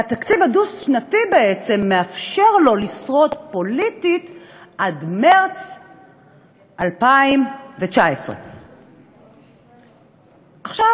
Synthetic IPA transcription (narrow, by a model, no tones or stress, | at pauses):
at̪akt͡sivhadusʃnatibeet͡se̞mːeafʃe̞ʁlo̞lisʁo̞tpo̞lititʔadmeʁt͡s | ʔalpaimvet͡ʃaesʁḛ | ʔaχʃav